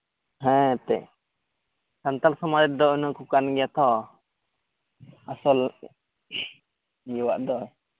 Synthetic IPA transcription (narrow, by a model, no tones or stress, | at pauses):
ɦɛ̃t̪ɛ̰ʔ | sant̪alsɔmaɾɛt̪̚d̪ɔunukukanɡɛjat̪ʰɔ | asɔl | juwa̰ʔd̪ɔ